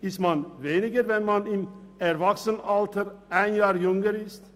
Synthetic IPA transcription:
ɪstmanveːnɪɡəɾvɛnmanɪmɛɾvaksənaltəɾʔaɪnjaːɾjʊŋəɾɪst

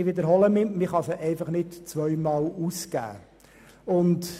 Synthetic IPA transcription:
ɪʋɪd̪əɾɦɔləmɪmɪχɑsəʔɛɪfɑχnɪtt͡sʋœʏmɑːluːskæ̰ː | ʊnt

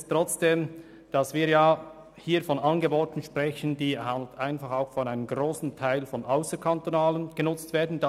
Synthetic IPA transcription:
stʁ̥ɔt͡sd̥eːm | d̥ɑsviːɐjaː | hiːfɔnɑnɡəboːtn̩ʃpr̥ɛçən̩diːhanltaɪnfɑχaʊxfɔnaɪnəmɡroːsn̩tʰaɪlfɔnʔaʊsəkʰantonaːlənɡ̥ənʊt͡stv̥eːɐdn̩da

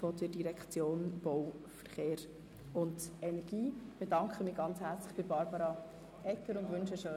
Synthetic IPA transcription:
fɔdədiɾɛkt͡sjoːnb̥ɔwfəɾχeːɾ | ʊndɛnɛɾɡ̥iːb̥edɑŋkχəmɪːɡɑnt͡shæɾt͡slɪχb̥ɪbɑɾbɑɾɑ | ʔɛkəɾʊntʋʏnʃəʃøː

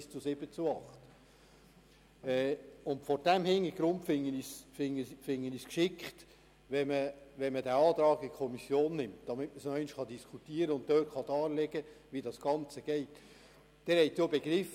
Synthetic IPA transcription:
st͡sʊsɪbət͡suɑχt | ɛʊntfɔɾd̥ɛmhɪŋiɡ̥ɾʊntfɪŋːənisfɪŋfɪŋːəniskʃɪkχt | ʋɛməʋɛnmədæɑːt̪ɾɑːɡɪkʰɔmisjoːnːɪmtd̥ɑmɪtməsnɔɛɪnʃχɑdiskʰutiːəɾəʊnt̚tːøːtχɑdɑːlɛɡəʋidɑsɡ̥ɑnt͡səɡ̥ɛɪt | d̥ɛɾhɛɪtjobeɡɾɪf

